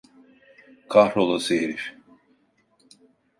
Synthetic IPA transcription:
kʰahɾolˠaseeɾif

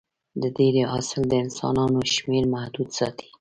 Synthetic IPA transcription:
d̪əd̪ed̪əʔɑsɪld̪əɪnsɑ̰nɑnoʃmeɾmahd̪ud̪sɑ̰t̪ʰi̥

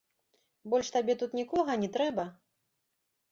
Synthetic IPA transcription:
bɔlʲʂt̪abʲɛt̪ut̪nʲikɔɣɐnʲɛt̪ɾɛbɐ

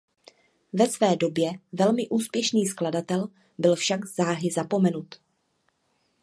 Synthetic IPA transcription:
vɛsvɛːdo̞bjɛvɛlmɪʔuːspjɛʃniːskladat̪ɛl | bɪlfʃaɡz̥aːɦɪzapo̞mɛnut̪

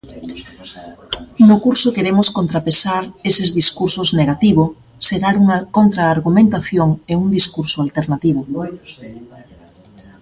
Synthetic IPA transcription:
nʊkuɾsʊkeɾemʊskont̪ɾapesaɾesezðiskuɾsʊzneɣat̪iβʊ | seɾaɾuŋɐkont̪ɾaːɾɣumẽnt̪aθjoŋeuŋd̪iskuɾsʊalt̪eɾnat̪iβʊ

